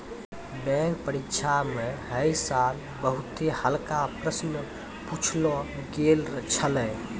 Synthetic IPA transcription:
bɛ̃k̚pəɾitːt͡ʃʰameɦəjsal | bəɦut̪ehəlkapɾəsnə | put͡ʃʰlɔɡelt͡ʃʰəlɛ

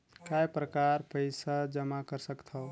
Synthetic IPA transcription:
kajpɾəkaɾpəɪsad͡ʒəmakəɾsəkt̪ʰəw

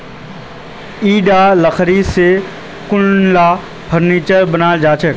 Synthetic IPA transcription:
iːɖaːləxʰɾiːse | kʊnlaː | bʰʱəɾniːt͡ʃəɾbənaːld͡ʒaːt͡ʃʰək

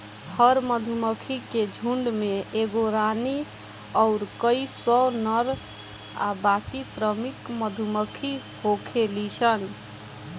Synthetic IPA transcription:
həɾməd̪ʱuməkʰiked͡ʒʱuɳɖmeeɡoɾani | ɔʊɾkəisɔwnəɾ | a̰bakisɾəmikməd̪ʱuməkʰi | hokʰelit͡ʃʰən

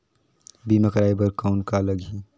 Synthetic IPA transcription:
biːməkəɾaːibəɾkaʊnkaləɡi

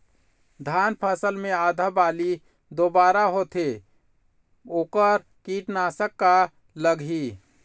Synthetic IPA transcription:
d̪ʱanpʰasəlmead̪ʱabali | d̪obaɾaɦot̪ʰe | oːkəɾ | kiʈnasəkːa | ləɡɦi

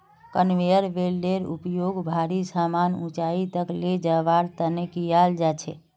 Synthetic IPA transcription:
kənʋejəɾʋelɖeɾṵpjoɡbʱaɾisamanũt͡ʃait̪əkled͡ʒəʋaɾt̪ənekijald͡ʒat͡ʃʰɛ̰

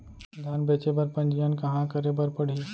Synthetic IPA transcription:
d̪ʱaːnbeːt͡ʃebəɾpə̃nd͡ʒijənkɐɦãkəɾebəɾpəɽ̤iː

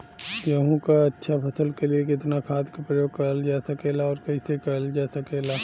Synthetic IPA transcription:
jɐɦũkaɐtːʃʰapʰɐsəlkeliekɪt̪nakʰaːd̪kapɾəjoːɡ̚kɐəld͡ʒaːsɐkeːlaɔːɾkɐisekɐəld͡ʒaːsɐkeːlaː

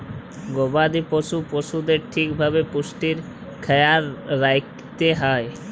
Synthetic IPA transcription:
ɡobad̪ipoʃupoʃud̪eɾʈʰikbʱabepuʃʈiɾ | kʰɛjaɾːaj | t̪eɦɔe

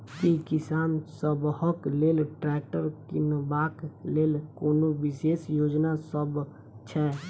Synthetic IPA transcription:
kikɪsaːnsəbɦəkleːlʈɾɛːk̚ʈəɾkinəbaːkleːlkoːnoʋɪseːsjoːd͡ʒnasəb | t͡ʃʰɛː

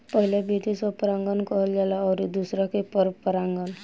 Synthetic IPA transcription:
pəɦilebʱid̪isɔpəɾãŋɡənkəɦəld͡ʒalaːɾid̪usɾakepəɾpəɾaŋɡən

